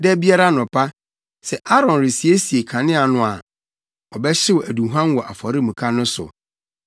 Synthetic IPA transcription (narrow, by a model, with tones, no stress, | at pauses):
dɛ˦bi˦a˦ɾa˦nʊ̃˨pʰa˦ | sɛ˨ʔa˦ɾɔ̃˨nɾɪ˨si˨e˦si˨e˨kʰã˨nɪ̃˦a˨nʊ̃˨a˨ | ɔ˨bɛ˦ɕɪ˦wɔ˨æ˨dũ˨ɦã˦nwɔ˨ʔa̰˨fɔ˨ɾɪ˦mũ˨kʰa˦nʊ̃˦sʊ̰˨